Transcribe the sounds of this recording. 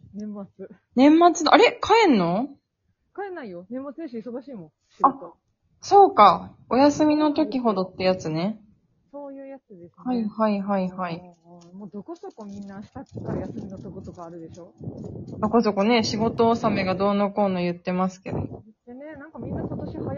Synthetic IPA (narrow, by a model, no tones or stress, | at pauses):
nẽmːat͡sɨ | nẽ̞mːat͡sɨd̪ʔa̰ɾe̞kʰaẽ̞nːo̞ | kaenaijonẽ̞mːat͡sɨeɕoisoɡaɕiːmõ | a | so̞ːka | o̞jasɨmʲino̞t̪o̞kʲiɦo̞d̪o̞t̪ːe̞jat͡sɨne̞ | soːjɯːjat͡sɨd̪eshaihaiɦaihai | mod̪okosokomʲĩnːaɕi̥t̪akkːaɾajasɨmʲinot̪okot̪okaːɾɯ̟d̪eɕo̞ːd̪̥o̞ko̞so̞ko̞ne̞ɕiɡo̞t̪o̞ːsame̞ɡad̪o̞ːnoko̞ːnojɯ̟t̪ːe̞masɨ̥ke̞̰d̪o̞̰enenãŋkamʲĩnːakot̪oɕiha